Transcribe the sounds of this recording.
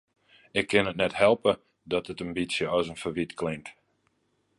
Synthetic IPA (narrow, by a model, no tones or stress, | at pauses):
ɪkʰːɪnətnɛthɛlˠpə | dɔtətambisjəɔsənfərʋitklɪŋt